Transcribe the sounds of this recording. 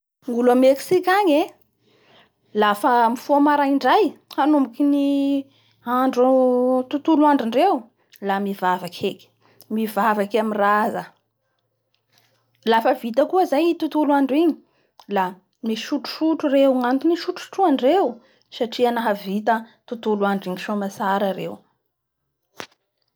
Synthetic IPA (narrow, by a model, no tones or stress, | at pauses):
ŋulameksikaɲe | lafəmifomaɾaiɳɖ͡ʐajhanumbikini | aɳɖ͡ʐut̪ut̪uluaɳɖ͡ʐiɳɖ͡ʐew | lamivavakʰeki̥ | mivavakamirazə | lafəvit̪əkuəzajt̪ut̪uluaɳɖ͡ʐiɲi | la | miʃuʈ͡ʂu̥ʃuʈ͡ʂuɾewŋant̪uniʃuʈ͡ʂu̥ʈ͡ʂuaɳɖ͡ʐew | saʈ͡ʂianaɦəvit̪ət̪ut̪uluaɳɖ͡ʐiŋiʃomasaɾaɾḛw